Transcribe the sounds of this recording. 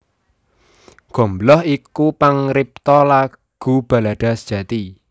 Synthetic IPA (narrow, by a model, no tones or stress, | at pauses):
ɡ̥ɔ̤mblɔhikupaŋɾip̚t̪ɔla | ɡ̥ṳb̥a̤laɖ̥a̤sd̥ʒ̥ä̤t̪i